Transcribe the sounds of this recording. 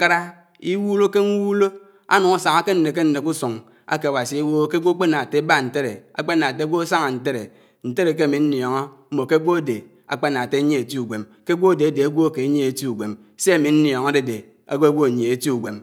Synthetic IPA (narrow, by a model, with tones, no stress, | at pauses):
ka˦ɾa˦ | i˦wu˦lo˦ke˦ŋ̩˦wu˦lo˦ | a̰˦nu˨ŋa˦sa˨ŋa˦ke˦n̩˦ne˨k̬e˦n̩˨ne˨ku˦su˨ŋ | a̰˦ke˨a˨wa˨si˨a˦wo˦ke˦ɡʷo˦k͡pe˦na˨te˦ba˦˨n̩˨te˦ɾe˨a̰˨k͡pe˦na˨te˦ɡʷo˦a˦sa˦ŋa˨n̩˨t̬e˦ɾe˨ | n̩˨te˦ɾe˨k̬e˦a˨mi˨n̩˦njɔ˨ŋo˦ | m̩˦mo˨ke˦ɡʷo˦a˦de˨ | a̰˨k͡pe˦n˨a˨te˦ɲe˦e˨ti˦u˨ɡʷe˨m | ke˦ɡʷo˦a˨de˨a˨de˨a˦ɡʷo˦˨ke˨˦ɲe˦e˨ti˦u˨ɡʷe˨m | se˦a˨mi˨n̩˦njɔ˨ŋa˦de˨de˨ | a̰˦ɡʷo˦ɡʷo˦˨ɲ˨e˨e˨ti˦u˨ɡʷe˨m